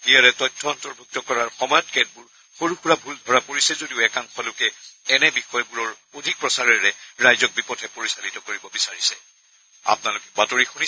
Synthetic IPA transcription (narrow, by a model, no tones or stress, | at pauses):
ijaɹɛtɔjtʰːɔɔntɔɹbʱuk̚tɔkɔɹaɹxɔmɔjɔt̚kɛd̚buɹ | xoɹuxuɹabʱuldʱɔɹapoɹisɛzodiʊɛkaŋxɔlʊkɛɛnɛbixɔjbuɹɔɹ | odʱik̚pɹɔsaɹɛɹɛɹajzɔk̚bipɔtʰɛpoɹisalitɔkoɹibɔbisaɹisɛ | a̰pʊnalʊkɛ̥batoɹixuni